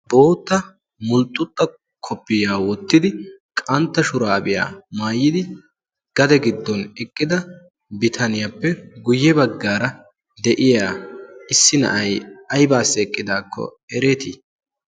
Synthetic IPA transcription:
bo̞ːt̪ːɐ | mʊlt̪ʼːʊt̪ʼːɐ | kʰɔpːɪjaːwɔt̪ːɪd̪ɪkʼɐnt̪ːɐʃʊɾaːbɪja̰ːmaːjːɪd̪ɪ | ɡ̥ɐd̪ɛɡɪd̪ːɔnɛkʼːɪd̪ɐ | bɪt̪ʰɐnɪjɐpːɛɡʊjːɛbɐɡːaːɾɐ | d̪ɛʔɪjaːɪsːɪnɐ̰ʔɐjɐjbaːsːɛːkʼːɪd̪aːkːɔ̰ | ɛɾeːt̪iː

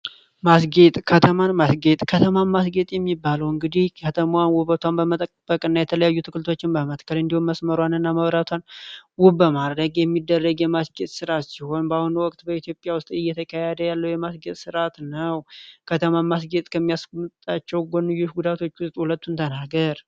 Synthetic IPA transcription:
masɡet̪ʼkʰət̪ʰəmanmasɡe̞t̪ʼkʰət̪ʰəmanmasɡe̞t̪ʼjɛmːibːaləwɨŋɡɨd̪ihkʰət̪ʰəmwanwuβət̪ʰʷanbəmət̪ʼəkʼb̥əkʼɨnːajɛt̪ʰələjajːut̪ʰɨkɨlt̪ʰo̞t͡ʃːɪnbəmət̪kʰːəlɨnd̪ihumməsməɾwanɨnːaməβɾat̪ʰʷanwubəmad̪ɾəɡjɛmːid̪ːərːəɡjɛmasɡe̞t̪ʼsɨɾat̪siho̞nbahunwɔkʼt̪bəit̪ʰjo̞pʼjawʊst̪ʼɨjːɛt̪ʰəkʰajad̪əjalːəwjɛmasɡet̪ʼsɨɾat̪nəwkʰət̪ʰəmanmas̬ɡet̪ʼkʰəmːijasmɨt̪ʼat͡ʃːɛwɡonːɨjːʊʃɡud̪at̪ʰo̞t͡ʃːwʊst̪ʼhulət̪ːunt̪ʰənaɡəɾ

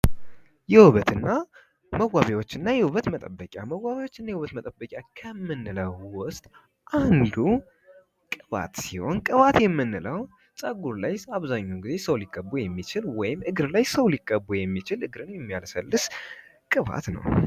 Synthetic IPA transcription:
jɛwuβət̪ɨnːa | məwaβewo̞t͡ʃːɨnːajɛhuβət̪mət̪ʼəbːəkʲʼjaməwːaβewo̞t͡ʃːɨnːajɛwuβət̪mət̪ʼəbːəkʼakʰəmːɨnːɨləwwʊst̪ʼ | ʔand̪u | kʼɨβa̰t̪siho̞nkʼɨβat̪jɛmːɨnːɨləw | t͡sʼəɡuɾlajaβzaɲːoɡize̞səwlikʼːəbujɛmːit͡ʃɪlwɔjɪmɨɡɾlajsəwlikʼːəbːujɛmːit͡ʃɪlɨɡɾɨnjɛmːjalsəlːɨs | kʼɨβa̰t̪nə̰w

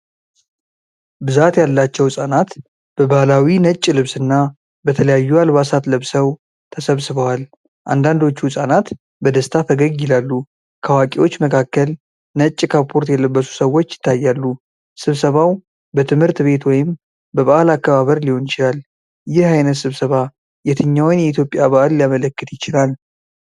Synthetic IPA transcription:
bɨzat̪jalːat͡ʃːɛwsʼanat̪ | b̥əbahlawinət͡ʃʼːlɨβsɨnːa | bət̪ʰələjajːualbasat̪lɨβsəw | t̪ʰəsəβsɨβəwal | ʔa̰nd̪and̪o̞t͡ʃːuhʊsʼanat̪ | bəd̪əst̪ʰat̪ʰəɡəɡːɪlalːu | kʰəwakʼewo̞t͡ʃːməkʰakːəl | nət͡ʃʼːɪkʰapʰoɾt̪jɛləbːəsu̥səwo̞t͡ʃːjɪ̥t̪ːajːalːu | sɨβsəβaw | bət̪ʰɨmhɨɾt̪be̞t̪wɔjɪm | bəβaʔalakːəβaβəɾliho̞nɪt͡ʃɪlal | jɪhajnət̪sɨβsəβa | jɛt̪ʰɨɲːawnjɛit̪ʰjo̞pʼjaβaʔalːijamələkːɨt̪jɪt͡ʃɪlal

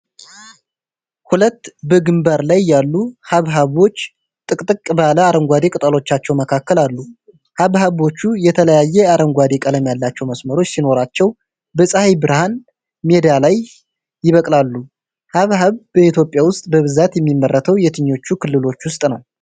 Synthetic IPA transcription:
hulət̪ːbəɡɨmbaɾlajːalːuhaβɦaβo̞t͡ʃː | t̪ʼɨkʼt̪ʼɨkʼbaləaɾəŋɡʷad̪ekʼɨt̪ʼəlo̞t͡ʃːat͡ʃːɛwməkʰakːəlalːu | haβhaβo̞t͡ʃːujɛt̪ʰələjajːɛaɾəŋɡʷad̪ekʼələmjalːat͡ʃːɛwməsməɾo̞t͡ʃːsino̞ɾat͡ʃːɛw | bəsʼəhajbɨɾhan | me̞d̪jalajː | ɪβəkʼlalːu | haβhaβbəit̪ʰjo̞pʼjawʊst̪ʼbəβɨzat̪jɛmːimːərːət̪ʰəwjɛt̪ʰɨɲːo̞t͡ʃːukʰɨlːɨlo̞t͡ʃːwʊst̪ʼnəw

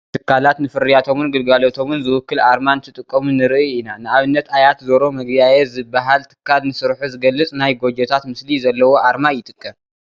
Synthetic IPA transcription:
t̪ʰɨkːalat̪nɨfɨɾijat̪ʰo̞mɨnɡɨlɡalot̪ʰo̞mɨnzɨwʊkːɨlʔaɾmanɨt̪ʰɨt̪ʼɨkʼːɐmunɨɾɨʔɨinanɨaβɨnːɐt̪ʰajat̪zoɾo̞mɐɡbajezɨbːaɦalt̪ʰɨ̥kʰːalnɨsɨɾħuzɨɡɐlːɨt͡sʼnajɡo̞d͡ʒɛt̪ʰat̪mɨslizɐlːɐwo̞ʔaɾmajɪt̪ʼɨkʼːɐm

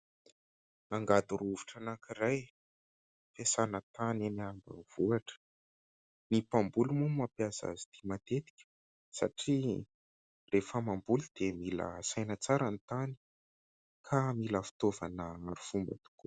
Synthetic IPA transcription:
naŋɡad̪uɾuviʈ͡ʂanakiɾaj | fesanət̪aneniambə̰v̥uaʈ͡ʂə̥ | nipambulumumapjaza̰zi̥t̪imat̪et̪i̥kʲə̥ | sa̰ʈ͡ʂi | refəmambulud̪̥emilə̰sajnət͡saɾanit̪ani̥ | kʰamiləfi̥t̪ovanəaɾufumbə̰t̪u̥ku

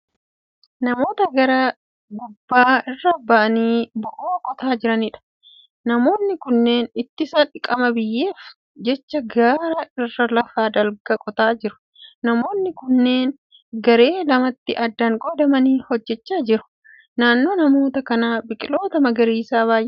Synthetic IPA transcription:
nɐmo̞ːt̪ɐɡɐɾɐ | ɡʊbːaːɪrːɐbɐʔɐniːbʊʔoːkʼɔt̪aːd͡ʒɪɾɐniᶑɐ̥ | nɐmo̞ːnːɪkʊnːe̞ːnɪt̪ːɪsɐᶑɪkʼɐmɐbɪjːe̞ːf | d͡ʒɛt͡ʃːɐɡaːɾɐɪrːɐlɐfaːd̪ɐlɡɐkʼɔt̪aːd͡ʒɪɾʊ̥ | nɐmo̞ːnːɪkʊnːe̞ːn | ɡɐɾe̞ːlɐmɐt̪ːɪʔɐd̪ːɐŋɡʼɔd̪ɐmɐniːhɔd͡ʒːɛt͡ʃːaːd͡ʒɪɾʊ̥ | naːnːo̞ːnɐmo̞ːt̪ɐkɐnaːbɪkʼɪlo̞ːt̪ɐmɐɡɐɾiːsaːβaːjʔɛ

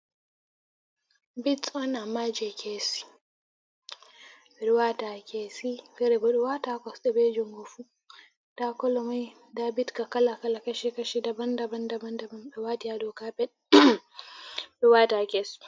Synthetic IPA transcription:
bɪtt͡sʼɔnamaːd͡ʒeːkʰʲesi̥ | ɾʊwaːtaːkʲeːsifɛɾɛbɐɗʊwatakʷɔsɗɛbeːd͡ʒʊŋɡʊɸu | takɔlɔmaj | daːbɪtkakɐlakɐlakɐʃikɐʃidɐbɐndɐbɐndɐbɐndɐbɐmɪwaːtɪjadokaːbɛ | ɗʊwaːtaːkʲes

